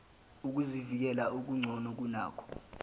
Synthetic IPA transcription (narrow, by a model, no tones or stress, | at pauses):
uk̬uzivik̬ɛlaʔuk̬uŋ͡ǀʱɔnɔk̬una̰ːkʰɔ̥